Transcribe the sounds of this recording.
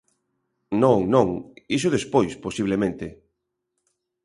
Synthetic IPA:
nõŋnõŋisʊðespojsposiβlemẽnt̪ɪ

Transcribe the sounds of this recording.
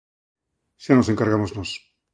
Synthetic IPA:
sanose̞ŋkaɾɣamoznos

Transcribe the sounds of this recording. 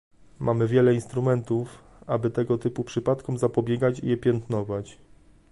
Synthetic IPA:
mʔamɘvʲjɛlɛinst̪ɾumɛnt̪uf | abɘt̪ɛɡɔt̪ɘpupʂɘpat̪kɔmzapɔbʲjɛɡat͡ɕḭjɛpʲjɛnt̪nɔvat͡ɕ

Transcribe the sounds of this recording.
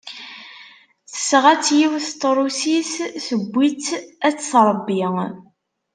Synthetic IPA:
θə̥sʁæt͡sːjiwθt̪ɾˤusisθəbʷːit͡sːæt͡sːθɾˤəbːiŋ

